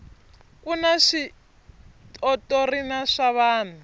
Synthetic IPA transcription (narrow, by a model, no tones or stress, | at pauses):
kunaʂi | tʼɔtʼorinaʂaβaːn̤a